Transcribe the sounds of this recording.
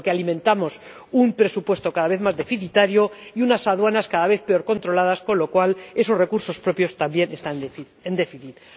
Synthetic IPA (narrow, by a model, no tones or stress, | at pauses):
kealimẽ̞nt̪amo̞s | umpɾe̞supwe̞st̪o̞kaðaβeθmazðe̞fiθit̪aɾjo̞iunasaðwanaskaðaβe̞θpe̞o̞ɾko̞nt̪ɾo̞lað̞asko̞nlo̞kwale̞so̞zre̞kuɾso̞spɾo̞pjo̞st̪ambje̞ne̞st̪a | end̪e̞fiθit̪